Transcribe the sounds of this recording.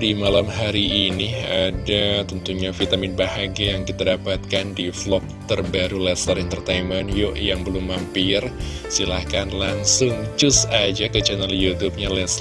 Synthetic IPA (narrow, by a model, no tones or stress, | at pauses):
dimalamɦaɾiʔːniadat̪ənt̪uɲafit̪amɪnbaɦaɡiajaŋkit̪adapat̪̚kandiflɔk̚t̪ərbaɾulɛsəɾɛnt̪ərt̪ejmənjoʔjaŋbəlʊmːampɪrsilahkanlaŋsʊŋt͡ʃʊsad͡ʒakət͡ʃɛnaljut̪up̚ɲalɛs